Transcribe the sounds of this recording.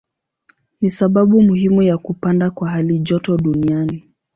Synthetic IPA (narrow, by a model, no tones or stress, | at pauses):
nisaɓaɓumuhimujakupandakwaɦaliʄɔtɔɗuniani